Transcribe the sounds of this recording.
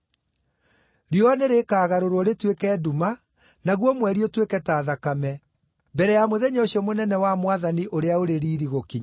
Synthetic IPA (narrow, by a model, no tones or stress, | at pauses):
ɾioaneɾekaːɣaɾoɾwɔɾetwekɛːduma | naɣwɔmwɛɾiɔtwekɛtaːðakamɛ | mbɛɾɛjamoðɛɲeoɕiɔmonɛnɛwamwaðaniʔoɾeaoɾeɾiːɾiɣokiɲa